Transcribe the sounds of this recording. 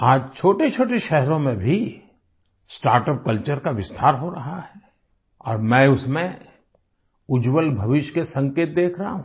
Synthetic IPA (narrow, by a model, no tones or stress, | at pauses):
aːd͡ʒt͡ʃʰoːʈet͡ʃʰoːʈeʃɛɦɾõmẽbʱi | sʈaːɾʈəp̚kɐlt͡ʃəɾkaʋɪst̪ʰaːɾɦoɾɐɦaɦɛ | ɔ̰ːɾmɛ̃ʊsmẽ | ʊd͡ʒwəlbʱɐʋɪʃkesɐ̃ŋkeːt̪̚d̪eːkʰɾɐɦaɦũ